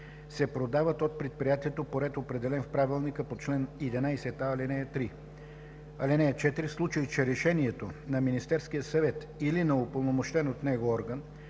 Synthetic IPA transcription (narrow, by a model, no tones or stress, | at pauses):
sɛpɾod̪avət̪ot̪̚pɾɛt̪̚pɾijat̪iɛt̪opoɾɛt̪opɾɛd̪ɛlɛnfpɾavilˠnikəpot͡ʃlɛnɛd̪ɛnajsɛt̪aːlinɛt̪ɾi | ɐlɛnɛɛt͡ʃɛt̪iɾislˠut͡ʃəit͡ʃɛɾɛʃɛniɛt̪onɐminist̪ɛɾsk̟ijəsɐvɛt̪ | ilinɐopolˠnomoʃt̪ɛnot̪nɛɡoɔɾɡən